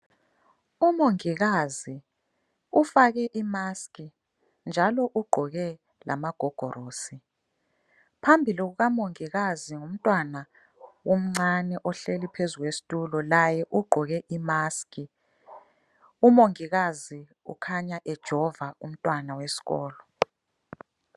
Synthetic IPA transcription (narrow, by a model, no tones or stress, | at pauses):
umoŋiɣazi | ufaɣɛʔimaskʼi | nd͡ʒʱalɔʔuɡ͡ǃʱɔɣɛ | lʔa̰maɡ̥ʱɔɡ̥ʱɔɾoːsi | pʰambʱiliɣuɣamoŋiɣaziŋum̩tʼwana | wom̩ŋ͡ǀanɛʔɔɬelipʰezuɣwesi̥tʼulɔlajɛʔuɡ͡ǃʱɔɣɛʔimaskʼi | umoŋiɣazi | ṵkʰaɲaʔɛd̥ʒ̥ʱɔvaṵm̩tʼwanawesi̥ɣɔːlɔ